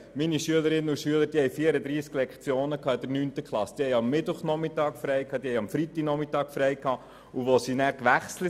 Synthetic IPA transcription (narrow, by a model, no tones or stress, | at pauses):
miniʃyələɾɪnːəuʃyələɾd̥iːhɛɪjfiːəɾəd̪ɾiːsklɛkχt͡sjoːnəkʰɑːɪd̥̪əɾnyːnt̪əkχlɑsd̪̥iːhɛɪɑmːɪtʊχnɔmɪt̪ɑːkfɾɛɪkʰɑːd̪iːhɛɪɑmfɾit̪ːi̥nɔmitɑːkfɾɛjkʰɑː | uʋosinæːɾkʋæχslə